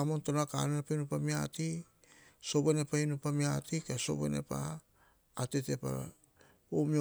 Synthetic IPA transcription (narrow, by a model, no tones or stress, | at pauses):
amo̞nto̞naka̰nenepainupamia̰ti | so̞benepainupamiatikaso̞̰bḛnḛpa̰ː | tete̞pa̰ | omi